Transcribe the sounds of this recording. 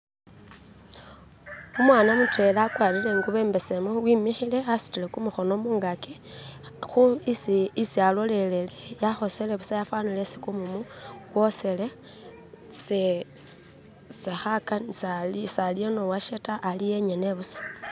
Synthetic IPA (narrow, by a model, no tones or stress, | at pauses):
umwaːnamutwe̞lakwalile̞ŋɡuβe̞ːmbe̞semowimixile̞asu̥tilekumuxo̞nomuːŋɡaki | xuisisialo̞le̞lelejaxo̞seleβusajafwanilesi̥kumumukwo̞sele | se | sexakansalsalionowaʃetaʔːlijeɲeneβusḁ